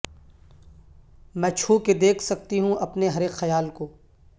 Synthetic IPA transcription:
mɛ̃ːt͡ʃʰuːked̪eːkʰsɐk̚t̪iɦũʔɐpneɦɐɾexɐjaːlkoː

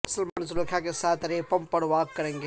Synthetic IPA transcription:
ʊsəlmaːnzulɐkʰakesaːt̪ʰɾeːpɐmpɐɽʋaːɡ̚kɐɾẽːŋɡe

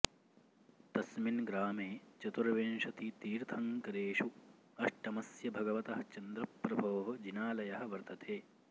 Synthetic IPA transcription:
t̪ɐsminɡɾaːmeːt͡ʃɐt̪uɾɐʋeːnʃɐt̪it̪iːɾt̪ʰɐŋkɐɾeːʃu | ɐʂʈɐmɐsjɐbʱɐɡɐʋɐt̪ɐɦɐt͡ʃɐnd̪ɾɐpːɾɐbʱɐːɦɐd͡ʒinaːlɐjɐɦɐ̆ʋɐɾt̪ɐt̪ʰeː

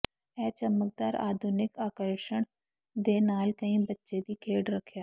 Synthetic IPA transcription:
ɛːt͡ʃəmək̚d̪aːɾʔa̰ːd̪ʱʊnɪkaːkəɾʃəɽ̃ | d̪eːnaːlkɐĩːbɐtːʃed̪iːkʰeːɖɾɐkʰjaː

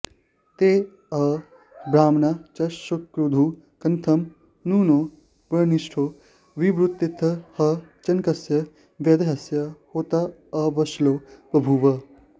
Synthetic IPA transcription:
t̪eː | ɐ | bɾaːmnat͡ʃɐʃɐkɾud̪ʱu | kɐnt̪ʰɐm | nuːnoː | bɐɾniʃʈʰoː | ʋiʋɾut̪ːit̪ʰːɐhɐt͡ʃɐnkɐsjɐ | ʋjɐd̪ɐɦɐsjɐhoːt̪ɐɐʋɐʃloːpɾɐbʱuʋɐ

